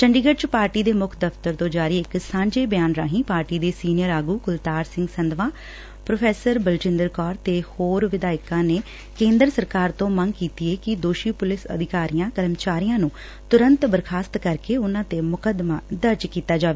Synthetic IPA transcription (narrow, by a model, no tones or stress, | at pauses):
t͡ʃəɳɖiːɡəʈ̚t͡ʃpaːɾʈiːd̪eːmʊkʰd̪əft̪əɾt̪õːd͡ʒaːɾiːɪksãːɲd͡ʒeːbjaːnɾaːɦĩːpaːɾʈiːd̪eːsiːnɪjəɾaːɡuːkʊlt̪aːɾsɪ̃ŋɡsənd̪ʋãː | pɾoːpʰɛːsəɾbəlt͡ʃɪ̃nd̪əɾkɔːɾt̪eːhoːɾʋɪd̪aːɪkãːneː | kẽːnd̪əɾsəɾkaːɾt̪õːməŋɡkiːt̪iːeːkɪd̪oːʃiːpʊlɪsə̰d̪ʱɪkaːɾijãːkəɾəmt͡ʃaːɾijãːnũː | t̪ʊɾə̃nt̪bəɾkʰaːst̪kəɾkeːʊnãːt̪eːmʊkəd̪maːd̪əɾd͡ʒkiːt̪aːd͡ʒaːʋeː